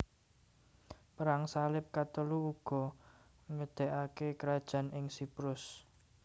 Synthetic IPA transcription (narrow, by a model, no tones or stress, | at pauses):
pəɾaŋsalɪp̚kat̪əluuɡ̥ɔ̤ | ŋəd̪̥ɛ̤ʔakekəɾad̥ʒ̥ä̤nɪŋsipɾʊs